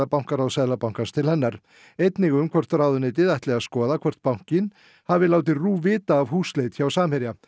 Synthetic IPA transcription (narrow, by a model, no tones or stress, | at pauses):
apawŋ̥kaɾawsɛðlapaw̥ŋkanst̪ʰɪlhɛnːaɾ̥ | ejt̪nɪɣʏmkʰvœr̥t̪rawðʏnɪt̪̬ɪðajht̪lɛɣaskɔːðakʰvɔr̥t̪̚pawŋ̥cɪn | havɪlaːwt̪̬ɪruːvɪːt̪aːvhuːslejt̪çawsaːmhɛɾja